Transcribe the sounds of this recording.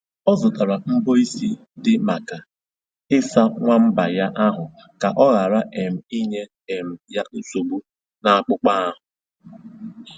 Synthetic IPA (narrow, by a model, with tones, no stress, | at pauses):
ɔ˦zʊ˨ta˨ɾa˨m̩˦bo˦i˦si˦ | dɪ˨ma˨ka˨ | ɪ˦sa˦ŋʷa˦m̩˦ba˨ja˦ʔa˦ɦʊ˨ | ka˨ʔɔ˦ɣa˨ɾa˦ʔe˨m̩˨i˦ɲe˦ | e˨m̩˨ja˦ʔu˦so˨bu˦ | na˨a˨k͡pʊ˦k͡pa˦a˦ɦʊ˨